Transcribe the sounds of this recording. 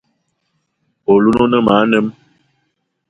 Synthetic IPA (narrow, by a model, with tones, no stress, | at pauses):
o˨lu˦no˦nə˦ma˨˦nə˦m